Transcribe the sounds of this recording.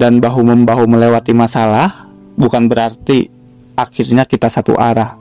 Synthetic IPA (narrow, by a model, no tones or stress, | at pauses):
danbaɦuməmbaɦuməlewat̪imasalah | bukanbəɾart̪i | ʔakirɲakit̪asat̪ṵʔa̰ɾah